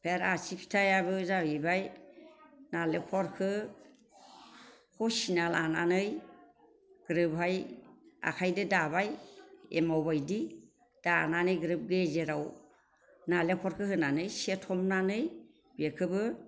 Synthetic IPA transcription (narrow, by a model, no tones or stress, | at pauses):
pʰeɾasipʰi̥tʰajabɯzaibaj | nalekʰɔɾkʰɯ | kʰɔsinalananɯj | ɡ̥ɾɯbɦaja̰kʰajdɯdabajḛmawbajdi | d̥ananɯjɡɾɯb̚ɡezeɾaw | nalekʰɔɾkʰɯhɯnanɯjsetʰɔmnanɯj | bekʰɯbɯ